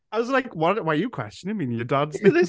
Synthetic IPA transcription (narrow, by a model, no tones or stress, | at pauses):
aɪwʌzlaɪkwʌɾwaɪjɨkʰw̥ɛ̰st͡ʃə̃nɨ̃mĩnjə˞dʌdzðɪ